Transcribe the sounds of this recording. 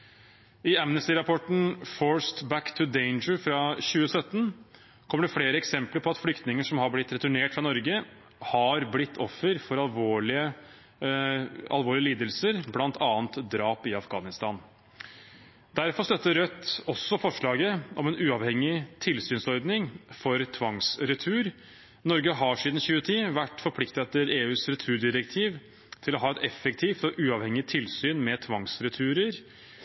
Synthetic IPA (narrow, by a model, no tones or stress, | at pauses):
ɪæmnəst̪ɪɾɑpʰɔʈɳ̩foːɹst̪bækt̪ʰʉd̪eɪnd͡ʒəɾfɾɑɕʉːəsœt̪ːn | kʰɔməɖɛfɽeːɾəɛksɛmpləɾpʰɔɑt̪flʏkt̪nɪŋəʂɔmhɑɾblɪt̪ːɾɛt̪ʉɳeːʈfɾɑnɔɾɡə | hɑɾblɪt̪ʰːɔfːəɾfɔɾɑlʋoːɭɪə | ɑ̰lʋoːɭɪəliːd̪əlsəɾblɑnt̪ʰɑːənt̪d̪ɾɑːpɪɑfɡɑ̰ːnɪst̪ɑːn | d̪æɾfɔst̪œt̪ːəɾœt̪ːɔsːɔfɔʂɭɑːɡəʔɔmɛnʉːɑʋhɛŋːɪt̪ʰɪlsyːnsɔɾd̪nɪŋfɔɾt̪ʰʋɑŋsɾʉt̪ʰʉːɾ | nɔɾɡəɦɑʂiːd̪n̩çʉːət̪ʰiːʋæʈːfɔɾpʰlɪkt̪əɛt̪ːəɾeːʉːsɾɛt̪ʰʉːɖɪɾɛkt̪ʰiːʋ | t̪ʰɪlɔɦɑːɛt̪ɛfːəkt̪ʰiːft̪ɔʔʉːɑʋhɛŋɪt̪ʰɪlsyːnmɛt̪ʰʋɑŋsɾʉt̪ʰʉːɾəɾ